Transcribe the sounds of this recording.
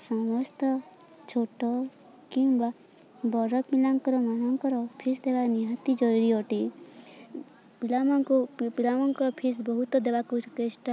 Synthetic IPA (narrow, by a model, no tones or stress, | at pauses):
sɔmɔst̪ɔ | t͡ʃʰoʈɔ | kĩŋba | bɔɾɔpilaŋkɔɾɔmanɔŋkɔɾɔpʰisd̪ebaniɦat̪id͡ʒɔɾuɾiɔʈi | pilamɔŋkupilamɔŋkɔɾɔpʰisbɔɦut̪ɔd̪ebakukesʈa